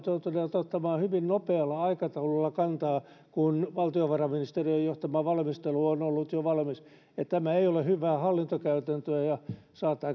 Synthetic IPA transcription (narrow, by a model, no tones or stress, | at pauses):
t̪ot̪uneːt̪ot̪ːɑmɑːhyʋinnopeɑlːɑɑikɑt̪ɑululːɑkɑnt̪ɑː | kunʋɑlt̪ioʋɑrɑminist̪eriojjoht̪ɑmɑʋɑlmist̪eluonolːut̪joʋɑlmis | et̪t̪æmæeiolehyʋˑæːhɑlːint̪okæyt̪ænt̪øæjɑ | sɑːt̪ːɑː